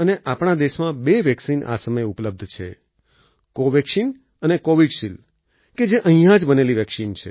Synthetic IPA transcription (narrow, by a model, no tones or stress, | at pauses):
əneʔapɳ̃ad̪eʃmãbeʋjɛksinʔa̰səməjupləb̚d̪ʱt͡ʃʰḛ | koʋɛksin | ənekoʋiɖʃil | ked͡ʒeʔəɦĩjãd͡ʒbəneliʋjɛksint͡ʃʰḛ